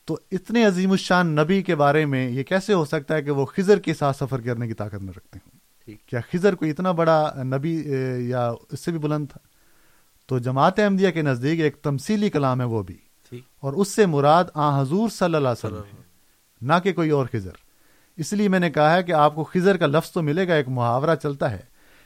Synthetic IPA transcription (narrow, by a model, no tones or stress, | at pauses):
t̪oːɪt̪neɐziːmʊʃaːnːɐbikebaːɾemẽjekɛːseɦosɐk̚t̪aɦɛk̬eʋoxɪzəɾkesaːt̪sɐfəɾkɐɾnekit̪aːkət̪nɐɾɐk̚t̪eɦũː | kjaːxɪzəɾkoiɪt̪nabɐɽanɐbijaɪsːebʱibʊlə̃nd̪̚t̪ʰḁː | t̪od͡ʒɐmaːt̪eɐ̃md̪ijakenɐzd̪iːkeːk̚t̪ɐmsiːlikɐlaːmɦɛʋobʱḭː | ɔːɾʊsːemʊɾaːd̪ãːɦɐzuːɾsɐlːəlaːsɐləɦɛ | nɐkekoːiɔːɾxɪzə̰ɾ | ɪsliemɛ̃ːnekɐɦaɦɛk̬eaːp̚koxɪzəɾkalɐfz̥t̪omɪleːɡaeːkmʊɦaːʋɾat͡ʃɐlt̪aɦɛ̰ː